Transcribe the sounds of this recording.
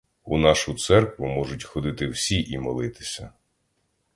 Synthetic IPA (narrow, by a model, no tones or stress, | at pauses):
unɑʃʊt̪sɛrkʋʊmɔʒʊtʲxɔd̪ɪt̪ɪwsʲiʔimɔlˠɪt̪ɪ̥sʲɐ